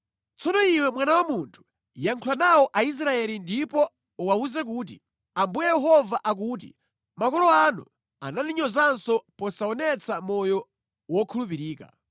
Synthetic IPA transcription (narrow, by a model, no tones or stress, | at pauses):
t͡sɔnɔiwɛmwanawamuntʰu̥ | jaŋkʰulanawɔʔais̬ɾaɛlindipɔ | uwauzɛk̬uːt̬ḭ | ambujɛjɛɦɔvaʔak̬uːt̬ḭ | makɔlɔanṵ | a̰naniɲɔzansɔpɔsaɔnɛt͡samɔjɔ | wɔkʰulup̬iɾiːka̰